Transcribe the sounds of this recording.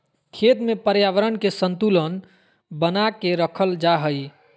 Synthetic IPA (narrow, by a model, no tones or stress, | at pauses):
kʰet̪mepəɾjaʋəɾənkesənt̪ulən | bənakeɾəkʰəld͡ʒaɦəj